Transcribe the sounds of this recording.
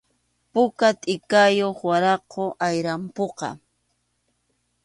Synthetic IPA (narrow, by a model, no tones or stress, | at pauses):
pʊkat̪ʼɪkajoχwaɾɑqoʔajɾampoqɑ̰